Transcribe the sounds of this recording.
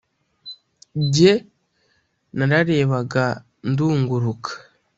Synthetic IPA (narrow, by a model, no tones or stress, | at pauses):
ɟe | naɾaɾe̞ːβaɡa | nduːŋɡuɾukʰḁ